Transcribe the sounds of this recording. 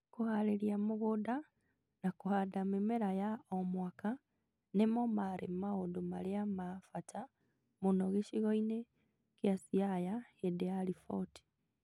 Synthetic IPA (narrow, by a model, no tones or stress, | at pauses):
kuhaleɾjamuɣuda | nakuhadamemeɾajaomwaka | nemomaɾḛmaodumaleamafatʰa | munoɣeʃiɣoine | kjasiajaedealifoti̥